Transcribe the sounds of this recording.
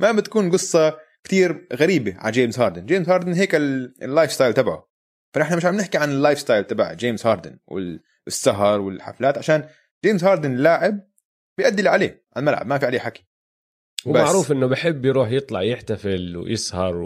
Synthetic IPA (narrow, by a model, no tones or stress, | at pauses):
mabɪt̪ḁkuːnɡɨsˤːɑkt̪iːɾɣaɾiːbaʕa̰d͡ʒeːmzhɑːɾˤd̪ɪnd͡ʒeːmshɑːɾˤd̪ɪnɦeːkɪllːaːjfst̪aːjlt̪abaʕṵ | fanɪħnamɪʃʕamnɪħkiʕanɪlːaːjfst̪aːjlt̪abaʕd͡ʒeːmshɑːɾˤd̪ɪ̰nwɪ̰ | ɪsːaɦɑɾˤwɪlħa̰flaːt̪ʕaʃaːn | d͡ʒeːmzhɑːɾˤd̪ɪnlːaːʕɪb̚ | bɪjʔad̪ːɪlʕalḛːʕa̰lmalʕa̰bmafiʕaleːħaki̥ | wbamaʕɾuːfʔɪnːʊbɪħɪbːjɾuːħjɨt̪ˤlɑ̰ʕjɪħt̪afɪlw̰jɪsˤhɑɾˤ